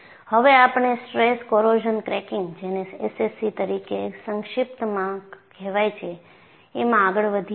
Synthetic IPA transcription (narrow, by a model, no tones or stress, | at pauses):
həʋeapɳ̃esʈɾeskoɾod͡ʒənkɾɛkɪ̃ŋɡd͡ʒeneesesit̪əɾikesəŋʃɪp̚t̪mãɡɡɛʋajt͡ʃʰeː | mãaɡəɭʋəd̪ʱ